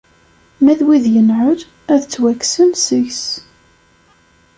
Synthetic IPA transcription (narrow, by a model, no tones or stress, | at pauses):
mæðwiðjənʕʊð | æðt͡sːwæksənsəʝs